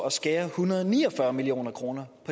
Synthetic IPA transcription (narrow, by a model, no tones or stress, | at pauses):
ɒ̽sɡ̥ɛːɐhunɐðˠnḭːɒ̽fɶɐmilio̝̰ːnɐkʰʁo̝ːnɐpʰɒ̽